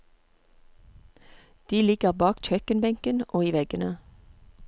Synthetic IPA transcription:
d̪̥iːlɪɡ̥əʁbɑːkc͡çœkənbɛŋkənʔoːiːʋɛɡənə

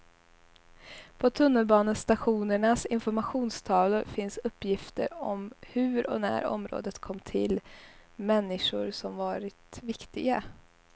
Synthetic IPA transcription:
pʰɔt̪ʰɵnːəlbɑːnənst̪aɧuːnəɳasɪnfɔɾmaɧuːnst̪ʰɑːvlʊɾfɪnsɵpːjɪft̪ə̰ɾɔmhʉ̟ːɾɔ̰næ̰ːɾɔ̰mɾo̰ːd̪ət̪kʰɔmːt̪ʰɪ̰lmɛnːɪʂʊɾsɔmvɑːɾɪt̪vɪkt̪ɪɡa̰

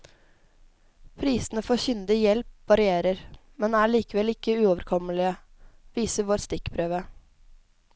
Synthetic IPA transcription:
pʰɾiːsən̩əfɔçʏnd̪ɪjɛlp̚ʋɑɾɪeːɾəɾ | mɛnæːɭiːkəʋɛlɪkːəʉːoːʋəɾkʰɔməlɪə | ʋiːsəʋoːɾst̪ɪkpʰɾøːʋə

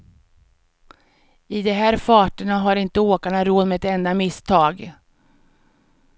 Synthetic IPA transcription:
ɪd̪ɛɦæːɾfɑːʈəɳaɦaɾɪnt̪əoːkaɳaɾoːd̪meɛt̪ɛnd̪amɪst̪ʰɑːɡ

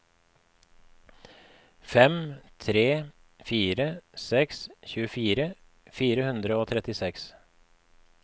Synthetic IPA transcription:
fɛmt̪ʰɾeː | fiːɾəsɛksçʉːəfiːɾə | fiːɾəhʉnd̪ɾəoːt̪ʰɾɛt̪ɪsɛks

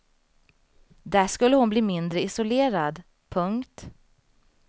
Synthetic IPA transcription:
d̪æːʂkɵlːəhʊnbliːmɪnd̪ɾəɪsʊleːɾad̪ | pʰɵŋkt̪

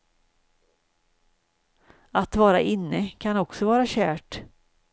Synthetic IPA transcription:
at̪vɑːɾaʔɪnːəkʰanɔksɔvɑːɾaɕæːʈ

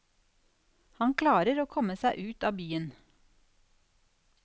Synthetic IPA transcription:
hɑŋkʰlɑːɾəɾoːkʰɔməsæɪʔʉːt̪ɑːbyːən

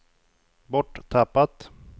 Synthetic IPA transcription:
bɔʈːt̪ʰapːat̪

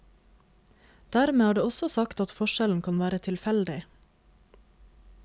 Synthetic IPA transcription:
d̪̥æːɾmeːæːɖeːɔsɔsɑkt̪ɑt̪fɔʃɛln̩kʰɑnʋæːɾət̪ʰɪlfɛld̪ɪ

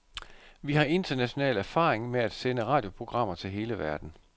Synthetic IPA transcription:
ʋihɑ̈ʔe̝nd̥ɐnæɕo̝nɛ̰ːlæɐfɑ̰̈ːʁeŋmeæd̥senəʁɑ̈ːd̥jo̝pʰʁo̝ɡ̥ʁɑ̈m̰ɐt͡sʰe̝lɦe̝ːləʋæɐd̥n̩

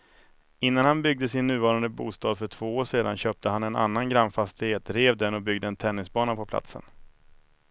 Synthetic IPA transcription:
ɪnːanhanbʏɡ̚d̪əsɪnːʉ̟ːvɑːɾand̪əbṵːst̪ɑːd̪fœʈʰv̥oːoːʂeːd̪anɕøːp̚t̪ʰəɦanɛna̰nːanɡɾamfast̪ɪheːt̪ɾeːvd̪ɛnːɔbʏɡd̪əɛnt̪ʰɛnːɪsbɑːnapʰɔpʰla̰t̪sə̰n

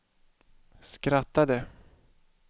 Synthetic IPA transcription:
skɾat̪ːad̪ə

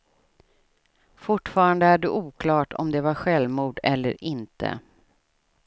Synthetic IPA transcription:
fʊʈfɑːɾand̪əæɖɵʔuːkʰlɑːʈʰɔ̰md̪ɛvaɾɧɛlmuːɖɛlːə̰ɾɪnt̪ʰə̰

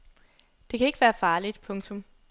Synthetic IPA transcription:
d̥e̝kʰæe̝ɡ̥ʋæːɐfɑ̈ːlid̥pʰɔ̽ŋt͡sʰɔ̽m

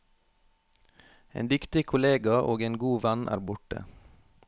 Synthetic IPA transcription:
ḛːnd̪ʏkt̪ɪkʰʊleːɡɑʔoːɡeːnɡuːʋænʔæ̰ːɾbʊʈə̰

